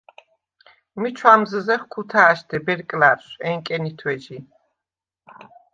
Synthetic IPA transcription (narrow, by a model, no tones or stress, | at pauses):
mit͡ʃʰwamzəzɛχkʰut̪ʰaːʃd̪ʰɛbɛɾkʼlaɾsɛŋkʼɛnit̪ʰwɛd͡ʒi